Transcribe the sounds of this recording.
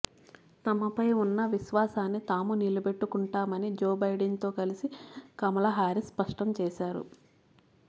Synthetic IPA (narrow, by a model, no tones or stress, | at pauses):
t̪ɐmɐpɐjunːɐʋiʃʋaːsaːnːit̪aːmunilɐbe̞ʈːukuɳʈaːmɐnid͡ʒoːbɐjɖɐnt̪o̞ːkɐlisikɐmɐlɐɦaːɾispɐʂʈɐmt͡ʃɛːʃaːɾṵ